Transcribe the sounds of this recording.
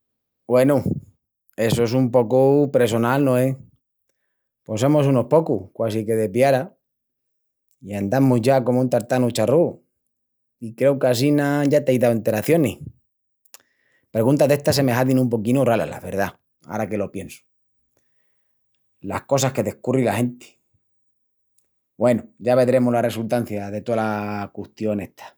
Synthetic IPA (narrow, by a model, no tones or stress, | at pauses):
bwe̞nu | e̞soesumpo̞kupɾeso̞nalnõe | po̞semosunopo̞kuhkwasike̞ðe̞pjaɾa | iand̪amuzʝako̞moũnt̪aɾt̪anut͡ʃaru | ikɾe̞wkasinaʝat̪eajðawent̪e̞ɾaθjo̞nih | pɾeɣunt̪aðe̞ht̪ase̞mexaðinũmp̬o̞kinorala̰la̰βe̞ɾða | a̰ɾake̞lo̞pje̞nsu̥ | lahko̞s̬ake̞ðe̞hkurilahe̞nt̪e̥ | bwe̞nuɟ͡ʝaβed̪ɾe̞moɦlare̞sult̪anθjaðe̞t̪oalakuht̪jo̞ne̞ht̪ʰḁ